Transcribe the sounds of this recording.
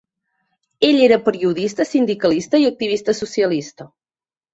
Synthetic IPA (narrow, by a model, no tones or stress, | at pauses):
eʎeɾəpəɾiuðist̪əsind̪ikəlist̪əiək̚t̪iβist̪əsusiəlist̪ə